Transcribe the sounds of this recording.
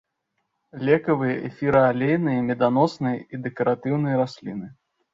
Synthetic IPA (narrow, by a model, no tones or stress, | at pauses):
lʲɛkɐvɨjɐʔɛ̰fʲiɾɐalʲejnɨjɐmʲɛd̪anɔsnɨjɐid̪ɛkɐɾat̪ɨwnɨjɐɾasʲlʲḭnɨ